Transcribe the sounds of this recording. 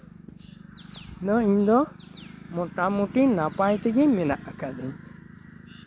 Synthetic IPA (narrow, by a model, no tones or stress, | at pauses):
nɔiɲd̪ɔ | mɔʈamuʈinapajt̪ɛɡɛmɛnaʔakad̪ɛɲ